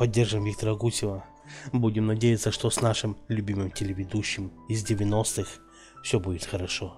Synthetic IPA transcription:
pɐdʲːerʐɨmvʲikt̪əɾəɡusʲɪvə | budʲɪmnɐdʲejɪt̪səʂt̪osnaʂɨmlʲʉbʲimɨmtʲɪlʲɪvʲɪd̪uɕːɪm | ɪzdʲɪvʲɪno̞st̪ɨx | fsʲobudʲɪt̪xəɾɐʂo

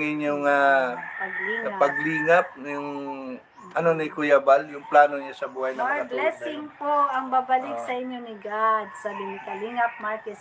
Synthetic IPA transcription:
ŋɪnʊŋapɐɡliːŋɐapɐɡliːŋap̚jʊŋ | ʔɐnonɐɪkʊjabaljʊŋplaːnoɲasɐbuːhajnɐablɛsɪŋpoʔɐŋbabɐlɪksɐʔɪɲjonɪɡad̪sabɪnɪkɐliŋɐp̚maɹkɛs

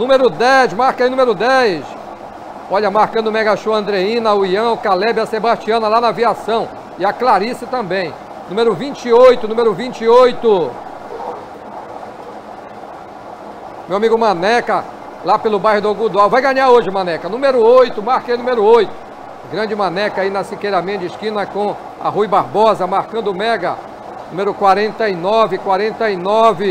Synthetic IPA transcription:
nũmeɾʊd̪ɛʃmaɾkɐinũmeɾʊd̪ɛjs | ɔʎɐmaɾkɐ̃d̪ʊmɛɡaʃuɐ̃nd̪ɾeĩnɐauiɐ̃ʊkalɛbɪɐsebaʃt͡ʃiɐ̃nɐlanɐviasɐ̃w̃ | ɪaklaɾisɪt̪ɐ̃bẽj̃ | nũmeɾʊvĩt͡ʃiojt̪ʊnumeɾʊvĩt͡ʃiojt̪ʊ | mewamiɡʊmɐ̃nɛkɐ | lapelʊbajhʊd̪aɡud̪awvajɡɐ̃ɲaoʒɪmɐ̃nɛkɐnũmeɾʊojt̪ʊmaɾkenũmeɾʊojt̪ʊ̥ | ɡɾɐ̃d͡ʒɪmɐ̃nɛkɐinɐsikejɾamĩɲɐd͡ʒɪʃkĩnɐkõ | ɐ̰hujbaɾbɔzɐmaɾkɐ̃nd̪ʊmɛɡɐ | nũmeɾʊkwaɾẽnt̪ɐinɔvɪkwaɾẽnt̪ɐinɔvɪ

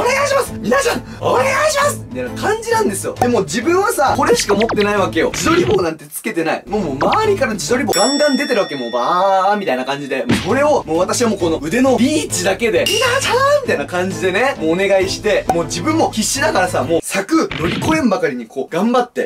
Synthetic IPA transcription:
oneɡaiɕimasɨ̥mʲinaɕa | oneɡaiɕimasɨ̥mit̪ainakãɲ̟d͡ʑinãnd̪e̞sɨjo̞̰d̪e̞mo̞ːd͡ʑibɯ̟̃ɰ̃βasako̞ɾeɕi̥kaomo̞t̪ːe̞naiβake̞jo̞̰d͡ʑid̪o̞ɾʲibo̞ːnãnt̪e̞t͡sɨ̥ke̞t̪e̞naḭmoːmoːmaβaɾʲikaɾad͡ʑid̪o̞ɾʲibo̞ɡãŋɡãnd̪e̞t̪e̞ɾɯβake̞mobamʲit̪ainakãɲ̟d͡ʑid̪e̞moːko̞ɾe̞o̞mo̞ːβat̪aɕiβamo̞ːko̞no̞ɯ̟d̪e̞no̞ɾʲiːt͡ɕid̪ake̞d̪e̞mʲinaamʲit̪ainakãɲ̟d͡ʑid̪e̞nemoːne̞ɡaiɕi̥t̪e̞mo̞ːd͡ʑibɯ̟̃mːo̞kʲiɕːid̪akaɾasamo̞ːsakɯ̟no̞ɾʲiko̞ẽmbakaɾʲiɲ̟ikʰo̞ːɡ̥ãmbat̪ːe̞̰

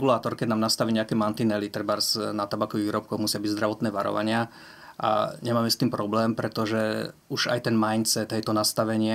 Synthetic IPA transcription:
ɡulaːt̪ɔɾkɛɟ̪naːmnast̪aʋiːɲɛakɛːmant̪inɛlit̪ɾbaɾsnat̪abakɔʋiiːɾɔp̚kɔɣmusɪabiɟzd̪ɾaʋɔt̪nɛːʋaɾɔ̰ʋa̰ɲɪa | ʔa̰ɲɛmaːmɛst̪iːmpɾɔblɛːmpɾɛt̪ɔʒɛuʒa̰jt̪ɛnmajnt͡sɛt̪ɛjt̪ɔnast̪aʋɛɲɪɛ

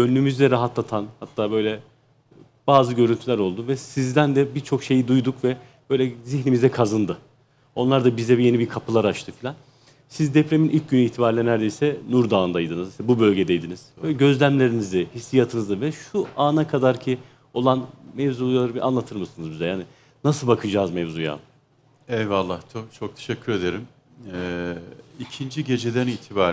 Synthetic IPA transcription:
ønːymyzd̪ɛɾaɦat̪lˠat̪ʰanhat̪ʰːaːbø̞jlʲɛ | b̥aːzɯɟø̞ɾynt̪ʰylʲæɾo̞lˠd̪uvɛsizd̪ænd̪ɛbit͡ʃʰo̞kʃe̞jid̪ujd̪ukvɛ | b̥ø̞jlʲɛziçnimizɛkʰazɯnd̪ɯ | o̞nlˠaɾd̪abizɛbije̞nibikʰapʰɯlˠaɾat͡ʃt̪ʰɯfilʲan | sizd̪epɾe̞minʔilʲc̚ɟynyiːt̪ʰibaːɾlʲɛnæɾd̪e̞jsɛnuɾd̪aːnd̪ajd̪ɯnɯzslʲɛbubø̞lʲɟed̪ɛjd̪iniz̥bølʲɛɟø̞zlʲæmlʲe̞ɾinizɪhisːijat̪ʰɯnɯzavɛʃuaːnakʰad̪aɾcʰi | o̞lˠanmɛvzujaɾbʔa̰nlˠat̪ʰɯɾmɯsɯnɯzbizɛjaːni | nasɯlˠbakʰɯd͡ʒaːzmɛvzuja̰ː | ɛvvalˠːaht͡ʃ̪ʰot͡ʃʰok̚t̪ʰeʃɛcʰːyɾe̞d̪eɾim | ɛ | icʰind͡ʒiɟe̞d͡ʒed̪æniːt̪ʰibaːɾ

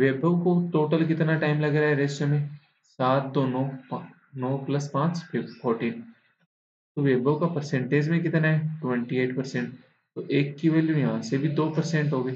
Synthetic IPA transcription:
ʋeːbʱəʋkoʈoːʈəlkɪt̪naʈaːɪmlɐɡɾaːɦɛɾeːsomẽ | saːt̪̚d̪oːnɔ | nɔːplɐspãːt͡ʃfʰɔːɾʈiːn | t̪oʋeːbʱəwkapɐɾsɛ̃ɳʈeːd͡ʒmẽk̬ɪt̪naɦɛʈʋɛ̃ɳʈieːʈpɐɾsẽɳʈ̚ | t̪oʔeːkːiʋeljõjɐɦãsebʱid̪oːpɐɾsẽɳʈɦoːɡeː

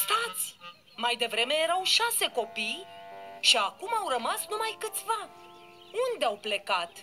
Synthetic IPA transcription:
st̪at̪sʲ | majd̪e̞vɾe̞me̞je̞ɾawʃase̞ko̞pijʃiakumawrəmasnumajkɨt̪sʲva | und̪eawple̞kat̪

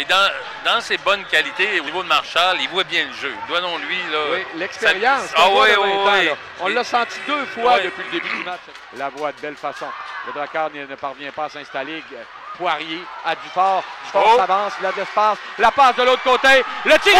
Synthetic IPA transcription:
ed̪ɑ̃ | d̪ɑ̃sebɔnkʲalit̪eonivod̪əmaʁʃalivwabjɛ̃ləʒød̪wanɔ̃lɥilɔwilɛkspeʁjɑ̃saɛ̃t̪ɛ̃lɔ | ɔ̃lːasɑ̃t̪id̪øfwad̪əpɥiləd̪ebyd̪ymat͡ʃ | lavwad̪əbɛlfasɔ̃ləd̪ʁakaːʁnnəpaʁvjɛ̃paasɛ̃st̪ale | pwaʁjead̪ifɔːʁɔsavɑ̃ːslad̪ɛspaslapasd̪əloːt̪χəkot̪elət̪i

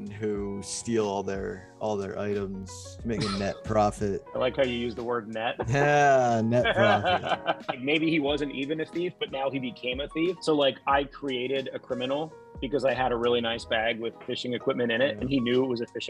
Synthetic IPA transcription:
nustilˠɔlˠðə˞ | ʔɔlˠðə̰˞ʔa̰ɪɾə̃mz̥ | meɪkɨnɛt̚pʰɹ̥ɑfɨt̚aɪlaɪkhaʊjɨjʉzðəwɜ˞dⁿnɛt̚jænɛtʰɹɑɨflaɪk̚meɪbiiwʌzɨ̃ntivɨ̃nɨθifb̥ʌtⁿnaʊibɨkʰẽɪ̃mɨθifsoʊlaɪkaɪkʰɹ̥ieɪɾɪɾɨkʰɹ̥ɪ̃mɨnl̩ˠ | b̥ɨkʌzaɪɨɾəɹɪlˠinaɪsb̥æɡwɪð̥fɪʃɪ̃ŋɨkʰw̥ɪp̚mɨ̃ñɨ̃ñɪt̚ɨ̃ninjʉɪt̚wʌzɨfɪʃŋ

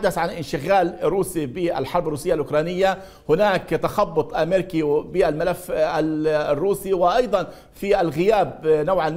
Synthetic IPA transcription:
ad̪ːaθʕanʔɪnʃɪɣaːlrːuːsibɪʔa̰lħɑɾˤbarˤːuːsɪjːalʔʊkɾˤɑːnɪjːa | hʊnaːkt̪axɑbːʊt̪ˤʔameːɾɪkibɪʔalmalafːarːuːsiwɪʔɑjd̪ˤɑn | fiʔalɣɪjaːbnawʕal

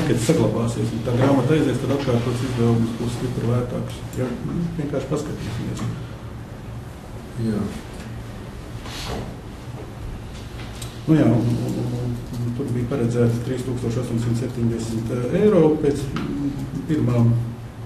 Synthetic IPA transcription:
kat̪saɡlˠɑbaːsiɛsut̪aːɡɾaːmat̪ajzɛst̪ad̪at̪kaːɾt̪uɔt̪sizʋɛːlˠɡ̪msbusst̪ipɾlˠæːt̪aːksjɛʋʲiɛŋkaːɾʃpaskɐt̪ḭːsʲimḭɛs | jaː | nujaːnnt̪uɾbiːpaɾɛd̪zæːt̪st̪ɾiːst̪uːkst̪oɔʃɔst̪oɔɲʲsiɲʲsɛpʲt̪ʲiɲd̪ʲɛsmt̪ɛjɾoːpʲeːt̪s | piɾmaːm

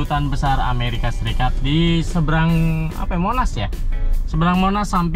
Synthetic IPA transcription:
ut̪anbəsara̰meɾikasəɾikat̪̚disəbəɾaŋa̰pajmonasjasəbəɾaŋmonasːamp

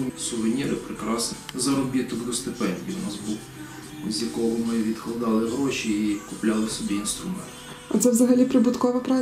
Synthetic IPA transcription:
sʊʋɪnʲiɾɪpɾɪkɾɑsnzɐɾɔbʲit̪ɔd̪ɡɔst̪ɪpɛnʲdʲiʊnɑzbuw | zʲjɐkɔɦɔmɪʋʲid̪klˠɐd̪ɑlˠɪɦɾɔʃiikʊplʲɑlˠɪsɔbʲiinst̪ɾʊmɛnt̪ | ɐt̪sɛʋzɐɦɐlʲipɾɪbʊt̪kɔʋɐpɾɑ

